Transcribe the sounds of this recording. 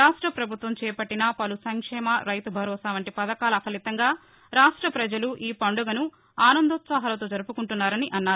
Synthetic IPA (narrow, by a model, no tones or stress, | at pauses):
ɾaːʂʈɾɐpɾɐbʱut̪ʋɐmt͡ʃɛːpɐʈːinɐpɐlusɐŋkʂɛːmɐɾɐjt̪ubʱɐɾɔːsaːʋɐɳʈipɐd̪ɐkaːlɐkʰɐlit̪ɐŋɡaː | ɾaːʂʈɾɐpɾɐd͡ʒɐluʔiːpɐɳɖuɡɐnu | aːnɐnd̪ot̪saːɦɐlɐt̪o̞ːd͡ʒɐɾupukuɳʈunːaːɾɐniʔɐnːaːu